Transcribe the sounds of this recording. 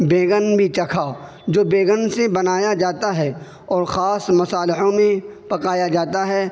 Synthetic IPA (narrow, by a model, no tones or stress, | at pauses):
beːɡənbʱit͡ʃɐkʰa | d͡ʒoːbeːɡənsebɐnaːjad͡ʒaːt̪aɦɛː | ɔːɾxaːsmʊsaːlɪɦõmẽpɐkaːjad͡ʒaːt̪aɦɛː